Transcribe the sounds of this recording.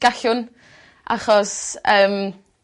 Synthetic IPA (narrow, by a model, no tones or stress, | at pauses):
ɡ̥aɬʊn | ʔa̰χɔsəːm